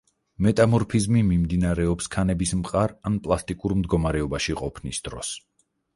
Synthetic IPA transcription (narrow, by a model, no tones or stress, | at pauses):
mɛt̪ʼamɔɾpʰizmimimd̪inaɾɛɔpskʰanɛbismqʼaɾanpʼlˠast̪ʼikʼuɾmd̪ɡɔmaɾɛɔbaʃiqʼɔpʰnisd̪ɾɔ̰s